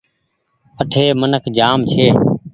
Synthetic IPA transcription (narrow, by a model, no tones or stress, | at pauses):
əʈʰeːmənəkʰd͡ʒaːmt͡ʃʰeː